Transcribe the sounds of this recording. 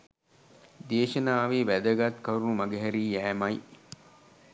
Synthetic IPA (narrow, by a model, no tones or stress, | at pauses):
d̪eːʃɐnaːʋiʋæd̪əɡɐt̪kɐɾunumɐɡeɦɛɾiːjæːmɐj